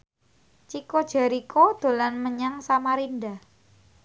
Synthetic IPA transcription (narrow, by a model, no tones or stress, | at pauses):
t͡ʃikod̥ʒ̥a̤ɾikod̪̥o̤lanməɲaŋsamaɾinda